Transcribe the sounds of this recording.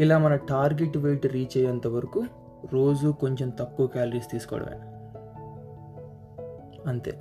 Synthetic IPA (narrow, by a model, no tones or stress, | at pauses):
ilaːmɐnɐʈaːɾɡeʈʋeːʈɾiːt͡ʃɛːjɐnt̪ɐʋɐɾɐku | ɾo̞ːd͡ʒuko̞ɲt͡ʃe̞mt̪ɐkːuʋɐkaːlɐɾiːst̪iːsu̥kɔ̰ːɽɐ̰mɐ̰ːnɐ | ɐnt̪e̞̰ː